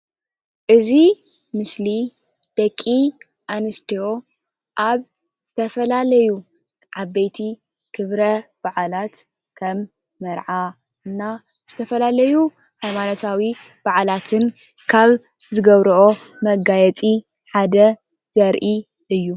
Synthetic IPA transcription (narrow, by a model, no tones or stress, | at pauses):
ʔɨzi | mɨsli | d̪̥ɐkʼːi | ʔanɨst̪ʰio̞ | ʔaβ | z̥ɨt̪ʰɐfɐlalɐju | ʕabɐjt̪ʰi | kʰɨβɾɐb̥aʕalat̪ | kʰɐmː | ɐɾʕa | ɨnːa | z̥ɨt̪ʰɐfɐlalɐju | hajmanot̪ʰawi | b̥aʕalat̪ʰɨn | kʰaβ | zɨɡɐβɾuʔo | mɐɡajɛt͡sʼi | ħad̪ɐ | z̥ɐɾʔi | ɨjːu